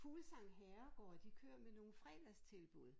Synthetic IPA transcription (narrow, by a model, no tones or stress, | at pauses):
fuːlsɑ̈ŋ̰ɦɛɐɡ̥ɒ̰ːd̥ikʰøːɐmeno̝ːfʁɛ̰ːd̥ɐst͡sʰe̝lb̥uð̞̩̰ˠ